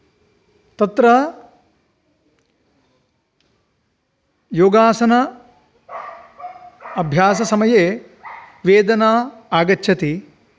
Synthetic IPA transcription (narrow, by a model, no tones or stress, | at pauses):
t̪ɐt̪ɾɐ | joːɡaːsɐnɐ | ɐbʱjaːsɐsɐmɐjeː | ʋeːd̪ɐnaːaːɡɐtːʃʰɐt̪i